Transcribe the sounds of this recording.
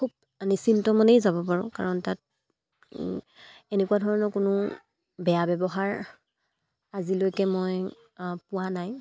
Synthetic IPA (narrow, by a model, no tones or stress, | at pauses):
kʰub̚ | anisintɔmɔnejzabɔpaɹʊ̃ka̰ɹɔntat̚ | enekuwadʱɔɹɔnɔkʊnʊ | bɛjabɛbɔɦaɹ | azilojkɛmɔj | pʊwanaj